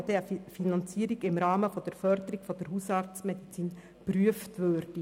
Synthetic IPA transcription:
d̥̪ɛəfinɑnt͡siːəɾiɡɪmɾɑːməfɔd̥̪əɾfœɾd̪əɾiɡ̥fɔd̥əɾɦusɑːɾtt͡smɛd̥̪it͡siːn | pryəft̪ʋøːrd̥i

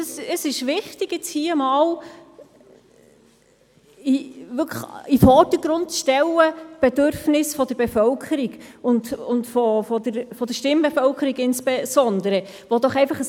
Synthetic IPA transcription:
əsəsɪʃʋɪχtiɡ̥jɪt͡shiːəmɑːl | iʋʏkʰəχifɔɾd̥əɡ̥ɾʊntʃtɛlːəb̥ɛd̪øɾfnɪsfɔd̥̪əɾbefœlkʰəɾiɡʊndʊntfɔfɔd̪əɾfɔd̥̪əʃtɪmbɛfœlkʰəɾiɡɪnspɛsɔndəɾə | ʋɔd̥̪ɔχɛɪfɑχə

